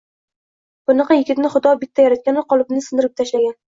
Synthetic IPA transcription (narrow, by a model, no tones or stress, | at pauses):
b̥ʊnɑqɑjɪɡʲɪt̪nɪχʊd̪ɒbɪt̪ʰːajaɾat̪̚kʲanɪqʰɒlˠɪbnɪsɪnd̪ɪɾɪp̚t̪ʰaʃlaɡʲan